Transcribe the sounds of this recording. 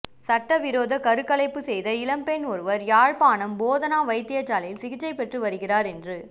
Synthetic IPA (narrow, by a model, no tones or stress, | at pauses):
sɐʈːɐʋɪɾoːðɐkɐɾɯkːɐlɐɪpːɯsɛjðɐɪlɐmpɛnɔɾɯʋɐɾjaːɻpaːnɐmboːðɐnaːʋɐɪt̪ːɪjɐt͡ʃːaːlɐjɪlsɪɣɪt͡ʃːɐɪpɛʈrɯʋɐɾɯɣɪraːɾɛndrɯ